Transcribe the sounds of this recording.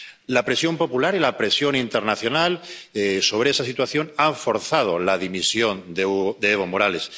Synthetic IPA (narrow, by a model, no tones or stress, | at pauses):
lapɾe̞sjo̞mpo̞pulaɾilapɾe̞sjo̞nint̪e̞ɾnaθjo̞naleso̞β̞ɾeesasit̪waθjo̞naɱfo̞ɾθað̞o̞laðimisjo̞nd̪d̪eeβo̞mo̞ɾale̞s